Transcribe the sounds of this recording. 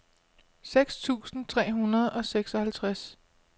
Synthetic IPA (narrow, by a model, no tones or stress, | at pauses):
seɡ̥st͡sʰṵːsn̩t͡sʰʁɛ̰ːɦunɐð̞̩ˠɒ̽seɡ̥sɒ̽hælt͡sʰʁas